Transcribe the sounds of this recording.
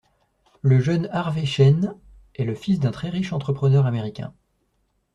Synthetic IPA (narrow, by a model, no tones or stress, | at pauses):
ləʒœnaʁveʃɛn | ɛləfisd̪ɛ̃t̪χɛʁiʃɑ̃t̪χəpχənœʁameʁikʲɛ̰̃